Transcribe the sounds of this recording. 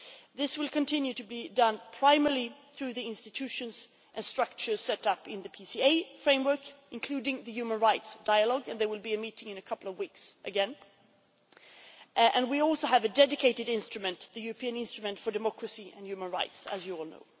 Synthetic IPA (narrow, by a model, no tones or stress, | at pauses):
ðɪswɪlˠkɨ̃ntʰɪ̃njʉɾɨbidʌ̃npʰɹ̥aɪmɛɹliθɹʉðiɪ̃nstɨtʰʉʃɨ̃nz̥ | ʔɨ̃nstɹ̥ʌk̚t͡ʃə̥˞sɛɾʌpɪ̃nðɨpʰisieɪfɹẽɪ̃mwɜ˞kʔɨ̃nkʰl̥ʉɾɪ̃ŋðɨjʉmə̃nɹaɪtsd̥aɪəlɔɡɨ̃nðə˞wɪlˠbiɨmiɾɪ̃ŋɨ̃nɨkʰʌpl̩ˠʌvwiksʔɨɡɛ̃n | ʔɨ̃nwiɔlˠsoʊɨvɨdɛdɨkʰeɪɾɨɾɪ̃nstɹ̥ɨmɨ̃nðɨjʉɹɨpʰiɨ̃nɪ̃nstɹ̥ɨmɨ̃ntfədɨmɑkɹɨsiɨ̃njʉmə̃nɹaɪtsɨ̰zjɨɔlˠno̰ʊ